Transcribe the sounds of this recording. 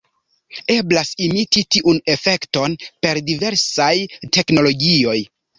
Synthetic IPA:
e̞blasimititiʔune̞fe̞kto̞npe̞ɾdive̞ɾsajte̞kno̞lo̞ɡio̞j

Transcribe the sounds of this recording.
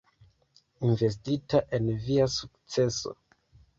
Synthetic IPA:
inve̞s̬titaʔe̞nviasuk̚t͡se̞so̰

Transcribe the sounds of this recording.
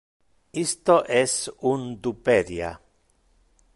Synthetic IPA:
ist̪oʔɛsund̪upeɾja̰

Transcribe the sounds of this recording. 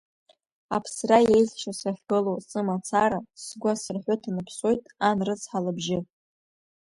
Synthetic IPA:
apʰsraje̞jzʃasaχʲɡɨlowsʼɨmat͡sʰaɾasɡʷasɨrħʷʊtʰanɨpʰso̞jtʼanrɨt͡sʰħalɨbʒɪ

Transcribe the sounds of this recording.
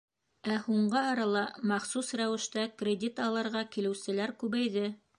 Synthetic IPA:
æhuɴɢɤɑɾɑlˠɑmɑχsusɾæwɘ̆ʃt̪ækrʲedʲit̪ɑlˠɤ̆ɾʁɑkilɘ̆wsɘ̆læɾkʉβæjðɘ

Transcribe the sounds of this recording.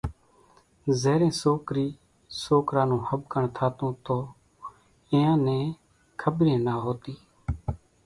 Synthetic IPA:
zeːɾẽːsoːkɾiː | soːkɾãːnũːhəbkəɳt̪ʰaːt̪ũːt̪oː | ɪ̃ːjãːnẽː | kʰəbɾẽːnaːɦoːt̪iː

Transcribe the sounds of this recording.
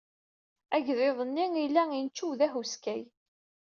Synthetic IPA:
æʝðeðˤənːiilːæint͡ʃːuwðæɦuskæj

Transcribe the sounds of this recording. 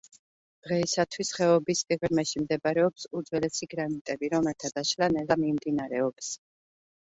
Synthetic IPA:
d̪̥ʁɛisat̪ʰwisχɛɔbispʼiʁɾmɛʃimd̪ɛbɾɛɔpsud̪zwɛlɛsiɡɾanit̪ʼɛbiɾɔmɛɾt̪ʰad̪aʃlanɛlamimd̪inaɾɛɔps

